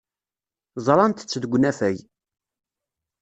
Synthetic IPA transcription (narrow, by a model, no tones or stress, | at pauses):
zˤɾˤɑnt̪t͡sːðɡʷnæfæj